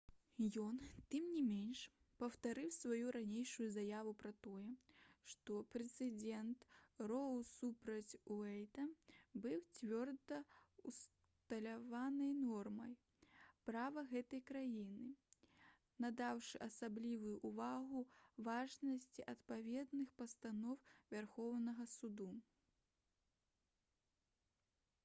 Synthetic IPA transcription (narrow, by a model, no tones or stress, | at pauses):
jɔnt̪ɨmnʲimʲenʂ | pɐwt̪aɾɨwsvajuɾanʲejʂujuzajavupɾɐt̪ɔjɛʂt̪ɔpɾɛt̪sɨd͡zʲɛnt̪rɔwˠsupɾɐt͡sʲuɛjt̪ɐbɨwt͡sʲvʲɔrd̪ɐus | t̪ɐlʲavanɐjnɔrmɐj | pɾavɐɣɛt̪ɐjkɾajinɨ | nɐd̪awʂɨʔɐsablʲivujuʔːvaɣuvaʐnɐsʲt͡sʲiʔɐt̪pavʲɛd̪nɨxpɐst̪anɔwvʲarxɔwnɐɣɐsud̪u